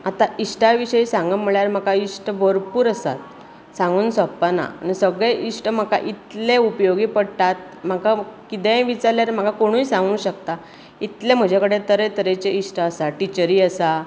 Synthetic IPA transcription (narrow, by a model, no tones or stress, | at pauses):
at̪aisʈaʋiɕəisãŋɡəm̤əɭjaɾm̤akaisʈəʋəɾpuːɾəsa̰t̪̚ | sãŋɡuːnsɔpːana̰ːnisəɡɭeʔisʈəm̤əka̰ʔit̪leupəjoɡipəɽt̪at̪̚ | m̤akakit̪ɛ̃ʋit͡saɾljaɾem̤akakoɽ̃ũːisãŋɡũːɕəkt̪a | it̪lem̤əd͡ʑʱakəɽet̪əɾet̪əɾet͡ɕeisʈəəsaʈit͡ɕəɾiːəsa